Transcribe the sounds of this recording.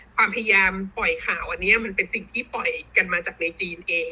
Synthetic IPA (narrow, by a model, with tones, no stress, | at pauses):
kʰwaː˧mpʰa˧ja˧jaː˧mpɔ˨˩jkʰaː˨˩˦wʔa˧nːi˦˥ɐma˧npe˧nsi˨˩ŋt̪ʰiː˥˩pɔ˨˩jka˧nmaː˧t͡ɕaː˨˩k̚na˧kiː˧nʔeː˧ŋ